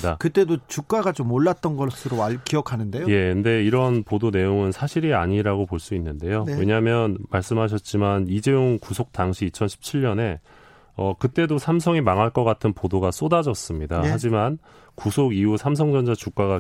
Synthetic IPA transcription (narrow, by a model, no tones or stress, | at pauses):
dakɯt͈e̞dot͡ɕuk͈aɡat͡ɕomːoɭːat̚t͈ʌnɡʌsʰɯɾoakiʌkʰanɯndejoje̞kɯnde̞iɾʌnpodone̞joŋɯnsʰaɕʰiɾiaɲiɾaɡopoɭs͈uinːɯnde̞jowe̞ɲamjʌnmaɭs͈ɯmɦaɕ̬ʰʌt̚t͡ɕ͈imanid͡ʑejoŋkusʰok̚t͈aŋɕʰiːt͡ɕʰʌnɕʰi̥p̚t͡ɕʰiɭːʌne̞ | ʌkɯt͈e̞dosʰamsʰʌŋimaŋaɭk͈ʌk͈atʰɯnpodoɡas͈odad͡ʑʌs͈ɯmɲidahad͡ʑiman | kusʰoɡiusʰams̬ʰʌŋd͡ʑʌnd͡ʑat͡ɕuk͈aɣa